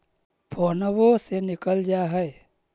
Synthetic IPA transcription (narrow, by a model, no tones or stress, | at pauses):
pʰoːnəbosenɪkəld͡ʒaɦɛe